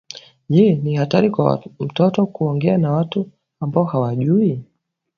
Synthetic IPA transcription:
ʄɛnihataɾikwa̰m̩tɔtɔkuɔŋɡɛanawatu | ambaɔhawaʄui

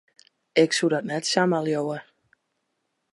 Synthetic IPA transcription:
ɪksudɔtnɛtsamalˠjowə

